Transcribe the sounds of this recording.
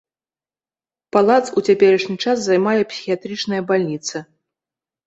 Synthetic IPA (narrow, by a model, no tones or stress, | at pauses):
palˠat̪sut͡sʲapʲɛɾɐʂnʲit͡ʂas̬zajmajɛpsʲi̥xʲijat̪ɾɨt͡ʂnɐjɐbalʲnʲit̪sɐ